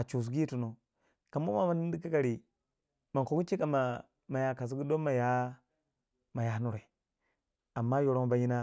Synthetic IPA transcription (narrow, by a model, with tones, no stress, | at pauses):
a˨t͡ʃu˨s̬ɡi˦tu˨no˨ | ka˨mu˦ma˦ma˦n˦di˦ka˦ka˨ɾi˨ | ma˨ko˨ɡu˦t͡ʃi˦ka˨ma˨ | ma˨ja˨ka˨s̬i˦ɡi˦do˦ma˨ja˦ | ma˨ja˨˦nu˦ɾe˨ | a˨mːa˦jo˨ɾo˦ma˨ba˨ji˦na˦